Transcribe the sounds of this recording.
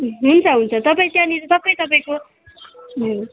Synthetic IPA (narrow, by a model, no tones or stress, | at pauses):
ɦunt͡sʰʌɦunt͡sʰʌt̪ʌp̬ãĩt̪jãniɾt̪ʌpaĩt̪ʌpaĩko